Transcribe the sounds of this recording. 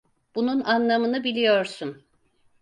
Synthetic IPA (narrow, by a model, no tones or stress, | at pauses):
b̥ununanlˠamɯnɯbilʲijoɾsun